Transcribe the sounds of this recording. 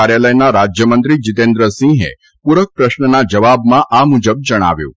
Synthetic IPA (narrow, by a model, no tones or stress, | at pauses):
aɾjaləjnaɾad͡ʒjəmənt̪ɾid͡ʒɪt̪ẽnd̪ɾəsĩɦḛ | puɾək̚pɾəʃɳənad͡ʒəʋabmãʔamud͡ʒəb̚d͡ʒəɽ̃a̰ʋjṵ̃